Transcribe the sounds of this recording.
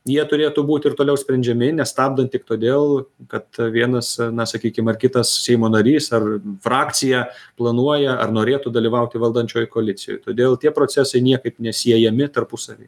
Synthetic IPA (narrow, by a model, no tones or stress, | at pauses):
jiɛt̪ʊɾʲeːt̪ʊbuːt̪ʲɪrt̪oːlʲɛʊsʲpʲɾʲɛnʲd͡ʒʲɛmʲɪnʲɛst̪ɑːbd̪ɐnt̪ʲɪkt̪oːd̪ʲeːlˠkɐt̪ʋʲiɛnɐsnɐsɐkʲiːkʲɪmɐrkʲɪt̪ɐssʲɛɪmoːnɐɾʲiːsɐrfɾɑːk̪t͡s̪ʲɪjɛplˠɐnuɔjɛɐ̰rnoːɾʲeːt̪ud̪ɐlʲiːʋɐʊt̪ʲɪʋɐlˠd̪ɐnʲt͡ʃʲoːjkoːlʲɪt̪t͡s̪ʲɪjo̰ːjt̪oːd̪ʲeːlˠt̪ʲiɛpɾoːt͡ssʲæsɐɪnʲiɛkɐɪpnʲɛsʲiɛjɛmʲɪt̪ɐrpʊsɐʋʲḛɪ